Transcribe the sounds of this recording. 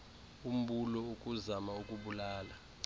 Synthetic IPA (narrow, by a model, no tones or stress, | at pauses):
um̩ɓulɔuk̬ʼuzamaukʼuɓulaːla